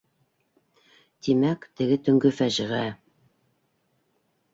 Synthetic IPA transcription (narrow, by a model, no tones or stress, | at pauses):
t̪imækt̪ɘ̆ɡɘt̪ɵ̆ŋɡɵfæʒɘ̆ʁæ